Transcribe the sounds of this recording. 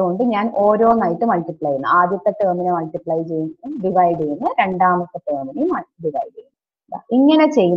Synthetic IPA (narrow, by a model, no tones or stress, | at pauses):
ɣo̞ɳɖɨɲaːnʔo̞ːɾo̞ːnɐjʈːɨmɐlʈipɭɐjunːɐ̰aːd̪jɐt̪ːɐt̪ːeːminɐmɐɭʈipɭɐjt͡ɕe̞jːunuɖiʋɐjɖijunːɨɾe̞ɳɖaːmɐt̪ːɨt̪eːminimɐɖiʋɐjɖejnː | ɖa̰iŋːɐne̞t͡ɕe̞jːun